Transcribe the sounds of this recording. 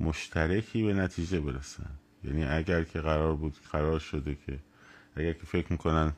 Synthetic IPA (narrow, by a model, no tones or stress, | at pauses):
moʃt̪ʰæɾekʰiːbe̞næt̪ʰiːd͡ʒe̞be̞ɾæsæ̰n | jæ̰ːniːʔæɟæɾkʰe̞ɣæɾɒːɾbuːd̪ɢ̥æɾɒːɾʃod̪e̞kʰe | ʔæɡæɾkʰe̞fe̞kʰɾmiːkʰo̞næn